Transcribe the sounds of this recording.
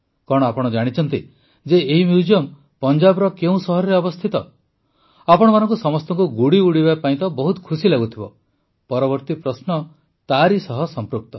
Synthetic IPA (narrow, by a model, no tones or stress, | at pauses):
kɔɽ̃ɔapɔɽ̃ɔd͡ʒaɽ̃it͡ʃʰɔnt̪i | d͡ʒeeɦimjud͡ʒiɔm | pɔnd͡ʒabɔɾɔkeũsɔɦɔɾɔɾeɔbɔst̪ʰit̪ɔ | apɔɽ̃ɔmanɔŋkusɔmɔst̪ɔŋkuɡuɽiuɽibapaĩt̪ɔbɔɦut̪ɔ̥kʰusilaɡut̪ʰibɔ | pɔɾɔbɔɾt̪ipɾɔsnɔ | t̪aɾisɔɦɔsɔmpɾuk̚t̪ɔ